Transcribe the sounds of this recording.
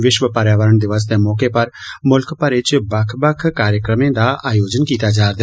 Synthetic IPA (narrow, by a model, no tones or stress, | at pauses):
ʋɪʃʋəpɐɾjaːʋəɾəɳd̪ɪʋaːzt̪emɔːkepɐɾmʊlkpɐɾɪt͡ʃbɐkʰbəkʰkaːɾjəkɾəmẽd̪aʔaːjoːd͡ʒənkiːt̪ad͡ʒaːɾd̪